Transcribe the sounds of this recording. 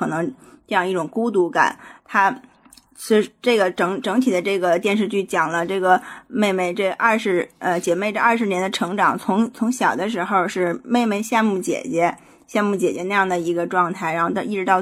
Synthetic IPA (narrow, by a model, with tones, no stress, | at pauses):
ɤ˨˩nɤ˧˥ŋ | ʈ͡ʂɤ˥˧jɑ˥˧ŋi˥˩ʈ͡ʂʊ˨˩ŋku˥t̪u˧˥ka̰˨˩˦nt̪ʰa˥ | t͡ɕ̩˥˧ʂʈ͡ʂɤ˥˩ɡə˩ʈ͡ʂɤ˧˥ŋʈ͡ʂɤ˧˥ŋt̪ʰi˨˩d̪ə˦ʈ͡ʂɤ˥˩ɡə˩t̪jɛ˥˧nʂ̬ɻ̩˧t͡ɕy˥˩t͡ɕjɑ˨˩ŋlə˦ʈ͡ʂɤ˥˩ɡə˩me˥˧ɪme˥˧ɪʈ͡ʂɤ˥˧ʔɐ˥˧ʂɻ̩˧˥˩ə˧t͡ɕjɛ˨˩me˥˧ɪʈ͡ʂɤ˥˧ɐ˥˧˩ʂ̬ɻ̩˧˥njɛ˧˥nd̪ə˧ʈ͡ʂʰɤ˧˥ŋʈ͡ʂɑ˨˩˦ŋt͡sʰʊ˧˥ŋt͡sʰʊ˧˥ŋɕjɑ˨˩ʊd̪ə˦ʂɻ̩˧˥xo˥˧ʊʂɻ̩˥˧me˥˧ɪme˥˧ɪɕja˥˧nmu˥˩t͡ɕjɛ̰˨˩t͡ɕjɛ˧˥ | ɕja˥˧mu˥˩t͡ɕjɛ˨˩t͡ɕɥɛ˧˥na˥˧jɑ˥˩ŋd̪ə˩i˧˥ɡə˧ʈ͡ʂwɑ˥˧ŋt̪ʰa˥˩ɪɻa˧˥nxo˥˧t̪ɑ˥˧i˥˩ʈ͡ʂɻ̩˧˥t̪ɑ˥˧ʊ